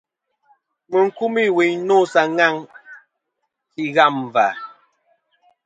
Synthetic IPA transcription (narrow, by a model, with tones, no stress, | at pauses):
mə˨ŋ̩˨ku˦mi˦˨we˨ɲno˦˨sa˨ŋa˦˨ŋ | ki˦ɣa˦˨m˨va˨